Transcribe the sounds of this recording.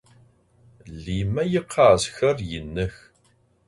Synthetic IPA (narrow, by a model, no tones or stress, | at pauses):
limæjəqʰːɑʕsçərˤjənːəç